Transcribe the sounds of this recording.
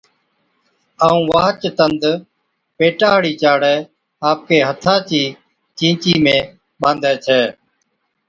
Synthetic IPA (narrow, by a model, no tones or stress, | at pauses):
aːũːʋaːɦt͡ʃt̪ənd̪ | peːʈaːɦɽiːt͡ʃaːɽɛː | aːp̚keːɦət̪ʰaːt͡ʃiː | t͡ʃĩːt͡ʃiːmẽː | ɓãːnd̪ɛːt͡ʃʰɛː